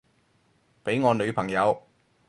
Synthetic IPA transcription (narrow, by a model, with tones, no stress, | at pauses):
pe˨˥jŋɔː˨˧nɵ˨˧ɥpʰɐ˨˩ŋjɐ˨˧w